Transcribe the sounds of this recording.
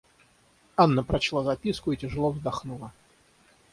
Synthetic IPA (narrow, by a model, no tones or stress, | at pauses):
anːəpɾɐt͡ɕlˠazɐpʲiskʊitʲɪʐɨlˠovzd̪ɐxnulˠə